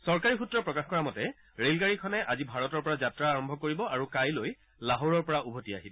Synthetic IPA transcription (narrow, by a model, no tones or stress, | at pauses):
sɔɹkaɹixutɹɔpɹɔkaxkɔɹamɔtɛ | ɹelɡaɹikʰɔnɛʔazibʱaɹɔtɔɹpɔɹazatɹaːɹɔmbʱɔkoɹibɔʔaɹukajloj | laɦoɹɔɹpɔɹaʔubʱotia̰ɦibɔ